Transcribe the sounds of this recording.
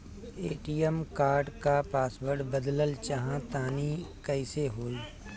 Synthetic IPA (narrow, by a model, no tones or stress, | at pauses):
eːʈiːəmkaːɾɖkapaːsbəɾɖbəd̪ləlt͡ʃəɦãt̪aːnikəɪseɦoːiː